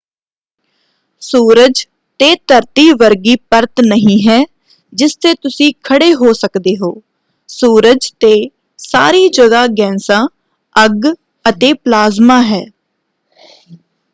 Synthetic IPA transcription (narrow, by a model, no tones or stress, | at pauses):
suːɾəd͡ʒ | t̪eːt̪əɾt̪iːʋəɾɡiːpəɾt̪nəɦĩːɦɛː | d͡ʒɪst̪eːt̪ʊsĩːkʰəɽeːɦoːsəkd̪eːɦo̰ː | suːɾəd͡ʒt̪eː | saːɾiːd͡ʒəɡaːɡɛ̃ːnsãː | əɡ | ət̪eːplaːzmaːɦɛː